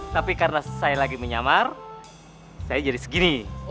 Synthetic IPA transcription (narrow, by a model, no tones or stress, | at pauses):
t̪apikarnasajalaɡiməɲamar | sajad͡ʒadisə̥ɡini